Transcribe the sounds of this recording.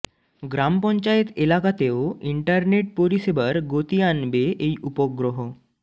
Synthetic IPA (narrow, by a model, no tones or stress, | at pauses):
ɡɾampɔ̃ɲt͡ɕajet̪elakat̪ewiɳʈəɾneʈ̚poɾisebəɾɡot̪ijanbeʔeiʔupɔɡɾoɦɔ